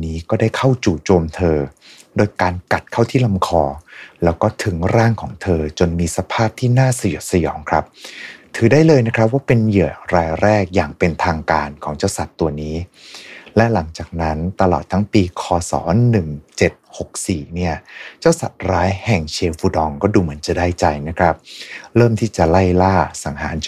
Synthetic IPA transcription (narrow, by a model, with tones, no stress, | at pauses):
niː˦˥kɔː˥˩daː˥˩jkʰa˥˩wt͡ɕuː˨˩t͡ɕoː˧mt̪ʰɤː˧ | doː˧jkaː˧nka˨˩t̪̚kʰa˥˩wt̪ʰiː˥˩la˧mkʰɔː˧lɛː˦˥wkɔː˥˩t̪ʰɯ˩˦ŋɾaː˥˩ŋkʰɔː˩˦ŋt̪ʰɤː˧t͡ɕo˧nmiː˧sa˧pʰaː˥˩p̚t̪ʰiː˥˩naː˥˩sa˧ju˨˩t̪̚sa˧jɔ̰ː˩˦ŋkʰɾa˦˥p̚t̪ʰɯː˩˦daː˥˩jlɤː˧jna˦˥kʰɾa˦˥p̬̚waː˥˩pe˧njɯ˨˩əɾaː˧jɾɛː˥˩k̚jaː˨˩ŋpe˧nt̪ʰaː˧ŋkaː˧nkʰɔː˩˦ŋt͡ɕaː˥˩wsa˨˩t̪ːu˧ɐniː˦˥ | lɛ˦˥ʔla˩˦ŋt͡ɕaː˨˩k̚na˦˥nt̪a˧lɔ̰ː˨˩t̪ʰːa˦˥ŋpiː˧kʰɔː˧sɔ̰ː˩˦nɯ˨˩ŋt͡ɕe˨˩t̪̚ho˨˩k̚siː˨˩ni˥˩ɐt͡ɕaː˥˩wsa˨˩t̪̚ɾaː˦˥jhɛ˨˩ŋt͡ɕʰeː˧fu˨˧dɔː˧ŋkɔː˥˩duː˧mɯ˩˦ənt͡ɕa˨˩daː˥˩jt͡ɕa˧jna˦˥kʰɾa˦˥p̚ɾɤː˥˩mt̪ʰiː˥˩t͡ɕa˨˩la˥˩jlaː˥˩sa˩˦ŋɦa̰ː˩˦n